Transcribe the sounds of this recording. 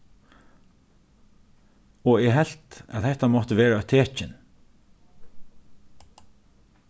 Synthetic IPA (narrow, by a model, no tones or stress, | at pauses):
ɔɛɦɛl̥t̪a̰t̪hɛht̪amɔt̪əʋeːɹaœt̪ʰeːt͡ʃɪn